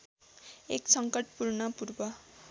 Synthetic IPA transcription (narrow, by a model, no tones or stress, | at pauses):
eksʌŋkʌʈ̚purnʌpurbʌ